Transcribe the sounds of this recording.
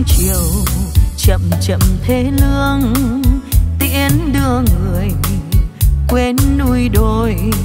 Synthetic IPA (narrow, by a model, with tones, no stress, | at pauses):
t͡ɕi˨əwt͡ɕə̰˧˨mt͡ɕə̰˧˨mt̪ʰe˨˦lɨ˧əŋ | t̪ḭ˧˥ənɗɨ˧əŋːɨ˨˩əj | kwe˧nːu˧jɗo˧˩j